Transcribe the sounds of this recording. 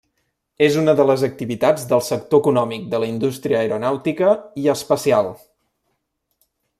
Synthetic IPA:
ezunəðələzək̚t̪iβit̪ad͡zd̪əlˠsəkt̪oəkunɔmik̚d̪ələind̪ust̪ɾiəːjɾunawt̪ikəiəspəsialˠ

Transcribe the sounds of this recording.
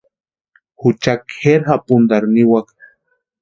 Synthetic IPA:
hʊt͡ʃakxeɾhapund̪aɾniwak

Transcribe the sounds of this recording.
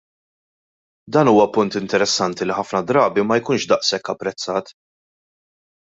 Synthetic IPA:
d̪ɐːnuːwɐpʊnt̪ɪnt̪ɛɾɛsːɐnt̪iliħɐfnɐd̪ɾɐːbimɐjkuːnʃd̪ɐʔsɛkːɐpːɾɛt͡sːɐːt̪

